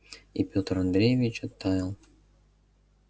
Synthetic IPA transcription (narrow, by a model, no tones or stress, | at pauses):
ipʲot̪əɾɐnd̪ɾʲejɪvʲɪt͡ɕɐt̪ːajɪlˠ